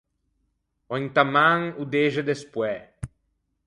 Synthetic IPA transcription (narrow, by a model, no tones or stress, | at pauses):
õŋt̪amãŋud̪eʒed̪espwɛ